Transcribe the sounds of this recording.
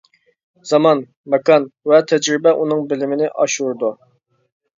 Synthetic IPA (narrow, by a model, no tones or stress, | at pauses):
z̥ɑmɑn | mɛkɑnwɛt̪ʰɛd͡ʒɾɪbɛʔunɨŋbɪlɪmɪnɪʔɑʃuɾd̪u